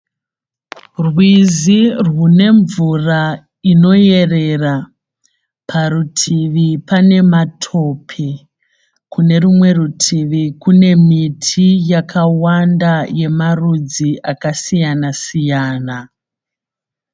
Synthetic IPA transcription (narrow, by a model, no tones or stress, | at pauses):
rwizirwune̞ɱvura | ino̞je̞re̞ra | pʰarutʰiʋipane̞matʰo̞pʰi | kune̞rumwe̞rutʰiʋikune̞mitʰijakʰawandaje̞marud͡ziʔakasijanasijaːna